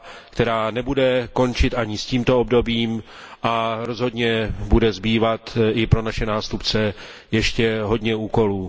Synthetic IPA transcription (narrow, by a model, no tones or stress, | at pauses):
kt̪ɛɾaːnɛbudɛko̞nt͡ʃɪt̪ʔaɲɪsciːmt̪oobdo̞biːm | ʔaɾo̞zɦo̞dɲɛbudɛzbiːvat̪ɪpɾo̞naʃɛnaːst̪upt͡sɛ | jɛʃcɛɦo̞dɲɛuːko̞luː